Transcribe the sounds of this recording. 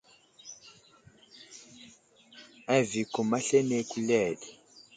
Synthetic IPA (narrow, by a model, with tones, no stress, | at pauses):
a˦˨vi˨ko˨ma˦ɬe˦ne˦ku˦lɛ˦˨ɗi˨